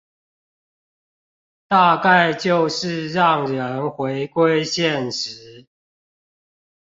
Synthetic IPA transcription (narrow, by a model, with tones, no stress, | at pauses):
t̪a˥˧ka˥˨ɪt͡ɕjo˥˨ʊʂɻ̩˥˨ɻɑ˥˨ŋɻə˨˦nxwe˨˦ɪkwe˥ɪɕjɛ˥˨nʂɻ̩˨˦